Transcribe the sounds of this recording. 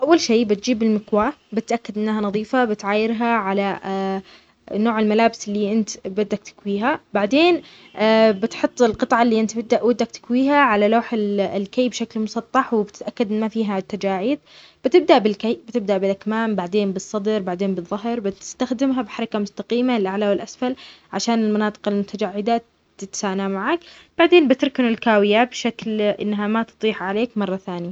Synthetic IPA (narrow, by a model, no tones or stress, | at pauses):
ʔawːalʃeːbɪt̪̚d͡ʒiːbɪlmɪkwaːbɪt̪ʔakːad̪ʔɪnːɦanɑðˤiːfabɪt̪ʕaːjɪɾɦaʕala | noːʕɪlmalaːbɪsɪlːiʔɪnt̪bɪd̪ːak̚t̪ɪ̥kwiːɦabaʕd̪eːn | bɪt̪ħʊt̪ˤːɪlqɨt̪ˤʕɑlːiːʔɪnt̪bɪd̪ːaʔwɪd̪ːak̚t̪ɪ̥kwiːɦaʕalaloːħɪllkajːbʃaklmʊsˤɑt̪ˤːɑħwɪbɪt̪ɪt̪ʔakːad̪ʔɪnːmafiːɦat̪ːad͡ʒaːʕiːd̪ | b̥ɪt̪ɪb̚d̪aʔbɪlkajbɪt̪ɪb̚d̪aʔbɪlʔakmaːmbaʕd̪eːnbɨsˤːɑd̪ɾbaʕd̪eːnbɨðˤːʊɦɾbɪt̪ɪ̥st̪axd̪ɪmɦabħɑɾˤɑkamʊst̪aqiːmalʔaʕlawɪlʔasfalʕaʃaːnɪlmɑnɑːt̪ˤɨ̥qɪlmʊt̪ʰad͡ʒaʕːɪd̪a | t̪ɪt̪saːnamaʕaːkb̥aʕd̪eːnbɪt̪ɪɾˤkɪnɪlkaːwɪjabʃaklʔɪ̰nːɦamat̪ɨ̥t̪ˤiːħʕaleːkmɑrˤːɑθaːnɪja